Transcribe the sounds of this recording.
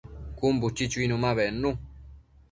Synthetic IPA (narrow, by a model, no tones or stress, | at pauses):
kumbut͡ʃːit͡ʃuiːnumaβɛnːu